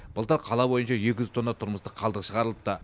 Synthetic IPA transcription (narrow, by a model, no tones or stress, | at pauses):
b̥əlˠt̪əɾqʰɑlˠɑbo̞jənʃɑʒekʲɪʒzt̪ʰo̞nːɑt̪ʰʊɾməst̪əqʰɑlˠd̪əqʃəʁɑɾəlˠəp̚t̪ɑ